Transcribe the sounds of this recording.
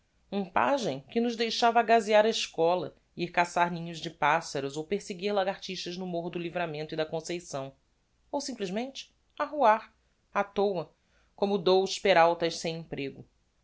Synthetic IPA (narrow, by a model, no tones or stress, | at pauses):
ũpa̰ʒẽj̃kɪnʊʒd̪ejʃavɐɡaziaɾɐɪʃkɔlɐ̰ | iɾkasaɾnĩɲʊzd͡ʒɪpasɐɾuzowpeɾseɡiɾlaɡaht͡ʃiʃt̪ɐʒnʊmoɾd̪ʊlivɾamẽnt̪ʊid̪ɐkõsejsɐ̃w̃ | owsĩplizmẽnt͡ʃɪ̥ | aɦuaɾ | at̪owɐ | kõmʊd̪owʃpeɾawt̪ɐʃsẽj̃ẽpɾeɡʊ